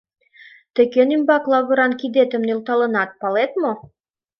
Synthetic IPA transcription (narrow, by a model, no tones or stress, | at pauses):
t̪ə̆kenimbɑklˠɑβɤ̆ɾɑnkid̪et̪ə̆mnilt̪ɑlɤ̆nɑt̪̚pɑlet̪mo